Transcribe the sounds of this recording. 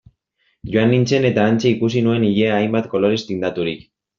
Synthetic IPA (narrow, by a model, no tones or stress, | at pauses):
ʝoanːint͡se̞ne̞t̪aːnt͡seikusinue̞niʎeaːjmbat̪ko̞lo̞ɾist̪ind̪at̪uɾik